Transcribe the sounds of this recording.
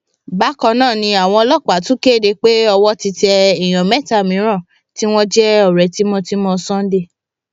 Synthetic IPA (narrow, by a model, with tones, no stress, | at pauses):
ba˨˦kɔ˧nãː˦˨nĩ˧a˨w̃ɔ̃˧lɔ˦˨k͡pa˨˦tũ˦ke˦˨de˧k͡pe˦ɔ˧wɔ˦ti˧tɛ˧i˨j̃ɔ̃˨mɛ˦˨ta˦˨mĩ˨˦ɾ̃ã˦˨ | ti˦w̃ɔ̃˦d͡ʒɛ˦ɔ˦˨ɾɛ˨ti˦mɔ̃˦ti˦mɔ̃˧sɔ̃˦n̩˦de˦˨